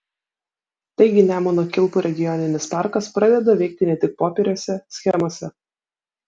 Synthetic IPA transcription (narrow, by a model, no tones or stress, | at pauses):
t̪ɐɪɡʲɪnʲæmonoːkʲɪlˠpʊɾʲɛɡʲɪjɔnʲɪnʲɪspɑˑɾkɐspɾɐd̪ʲɛd̪ɐʋʲɛɪk̚t̪ʲɪnʲɛt̪ʲɪk̚poːpʲɛɾʲoːsʲɛsʲxʲɛmoːsʲɛ